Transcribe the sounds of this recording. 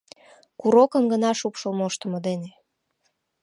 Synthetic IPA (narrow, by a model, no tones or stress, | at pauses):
kuɾokə̆mɡənɑʃupʃəlmoʃt̪ə̆mŏd̪ene